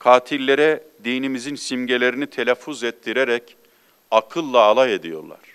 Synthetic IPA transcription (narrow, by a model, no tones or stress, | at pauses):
kʰaːt̪ʰilʲːe̞ɾɛd̪ijnimizinsimɟelʲe̞ɾinit̪ʰe̞lʲæfːuzɛt̪ʰːiɾeɾɛc | akʰɯlˠːaːlˠajed̪ijo̞̰ɾlˠa̰ɾ̥